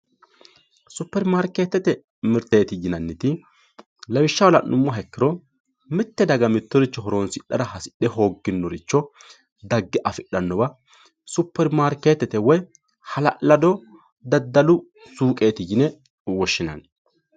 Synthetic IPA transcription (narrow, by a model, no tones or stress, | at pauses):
sʊpːɛɾmaːɾkeːt̪ːɛt̪ɛ | mɪɾt̪eːt̪ɪjɪnɐnːɪt̪ɪ | lɐwɪʃːɐwɔlɐnʊmːɔɦɛkːɪɾɔ | mɪt̪ːɛd̪ɐɡɐmɪt̪ːɔɾɪt͡ʃːɔɦɔɾoːnsɪɗɐ̰ɾɐɦɐsɪ̥ɗɛho̞ːɡːɪnːɔɾɪt͡ʃːɔ | d̪ɐɡːɛʔɐfɪɗːɐnːɔbɐ | sʊpːɛɾmaːɾkeːt̪ːɛt̪ɛwɔj | hɐlɐ̰ʔlɐd̪ɔ | d̪ɐd̪ːɐlʊ | suːkʼeːt̪ɪjɪnɛ | wɔʃːɪnɐ̰n